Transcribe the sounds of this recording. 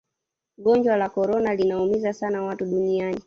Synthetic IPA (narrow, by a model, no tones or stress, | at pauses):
ɠɔnɲd͡ʒwalakɔɾɔnalinaumizasanawatuɗuniani